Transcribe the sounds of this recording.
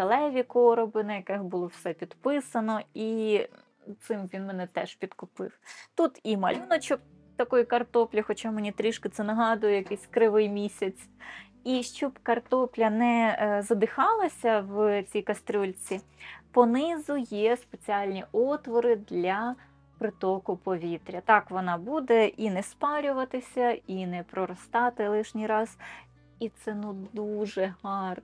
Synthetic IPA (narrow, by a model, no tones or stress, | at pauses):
t̪ɐlˠɛʋʲikɔɾɔbɪnɐjɐkɪxbʊlˠɔwsɛpʲid̪pɪsɐnɔi | t̪sɪmʋʲinmɛnɛt̪ɛʃpʲid̪kʊpɪ̰wt̪ut̪imɐ̰lʲunɔt͡ʃɔk | t̪ɐkɔjikɐrt̪ɔplʲixɔt͡ʃɑmenʲit̪ɾʲiʃkɪt̪sɛnɐɦɑd̪ʊjɛjɐkɛsʲkɾɪʋɪjmʲisʲɐt͡sʲ | iʃt͡ʃɔbkɐrt̪ɔplʲɐnɛzɐd̪ɪxɑlˠɐsʲɐwt͡sʲijkɐst̪ɾʲulʲt͡sʲipɔnɪzʊjɛspet͡sʲiɑlʲnʲiʔɔt̪ʋɔɾɪd̪lʲɐ | pɾɪt̪ɔkʊpɔʋʲit̪ɾʲɐt̪ɑkʋɔnɑbud̪ɛʔinɛspɑɾʲʊʋɐt̪ɪsʲɐinɛpɾɔɾɔst̪ɑt̪ɪlˠɪʃnʲijɾɑz | it̪sɛnud̪uʒɛɦɑr